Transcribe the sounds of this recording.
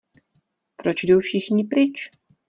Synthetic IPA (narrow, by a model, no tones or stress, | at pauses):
pɾot͡ʃdowfʃɪxɲɪpɾɪt͡ʃ